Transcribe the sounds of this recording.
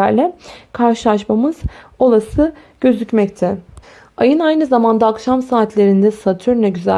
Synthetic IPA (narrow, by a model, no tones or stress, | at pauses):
æɾlʲɛkʰaɾʃɯlˠaʃmamɯz̥o̞lˠasɯ | ɟ̥ø̞zycmɛc̚t̪ʰɛ | ajɯnajnɯzamand̪aːkʃamsaːt̪ʰlʲe̞ɾind̪ɛsat̪ʰyɾnɛɟyzæ̰